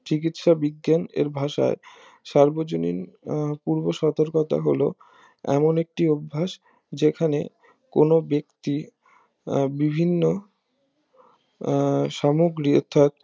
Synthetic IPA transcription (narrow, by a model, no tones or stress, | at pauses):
t͡ɕikit̪ʃabiɡːanḛɾbʱaʃa̰e | ʃaɾbod͡ʑonḭnpuɾboʃɔt̪oɾkot̪a̰ɦolo̰ | ɛ̰monek̚ʈiobʱːaʃ | d͡ʑekʰanḛ | konobekt̪i | bibʱinːo | ʃamoɡɾiɔ̰ɾt̪ʰːat̪̚